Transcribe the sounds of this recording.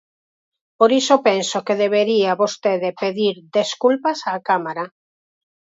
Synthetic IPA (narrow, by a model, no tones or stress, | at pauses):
poɾisopensokeðeβeɾiaβost̪eðepeðiɾdeskulpasaːkamaɾa